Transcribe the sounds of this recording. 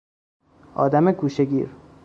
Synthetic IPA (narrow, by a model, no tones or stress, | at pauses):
ɒ̰ːd̪æmeɡuːʃeɡiːɾ